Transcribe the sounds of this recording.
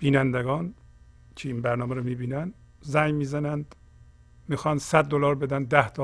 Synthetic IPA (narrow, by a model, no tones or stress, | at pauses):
b̥iːnænd̪eɡɒːn | t͡ʃʰeinbæɾnɒːmeɾomiːbiːnænd̪ | zæjmiːzænænd̪̥ | miːxɒːnd̪sæd̪ːolɒːɾbed̪ænd̪̚d̪æht̪ʰɒ